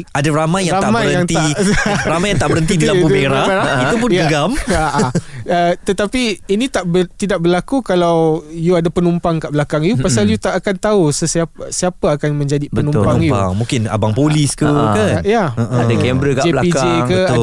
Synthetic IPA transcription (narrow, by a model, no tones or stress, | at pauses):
adaɾamãjːaŋɾat̪amajɾəanŋt̪iaɾamajaŋt̪aʔbəɾənt̪idilaudeɾaeɾaiup̬ʊnjaəɡamaʔaət̪ət̪apiinĩt̪aʔbət̪idaʔ̚bərlakukalawjuadapənumpaŋkaʔbəlakaŋjupasaljut̪aʔːkant̪ausəsasiapaakanmə̃ɲd͡ʒadipbənũmppaŋjuŋmũŋkɪna̰baŋpoliskukajaəʔadaɡɛmbɾəkad͡ʒeblapikd͡ʒekə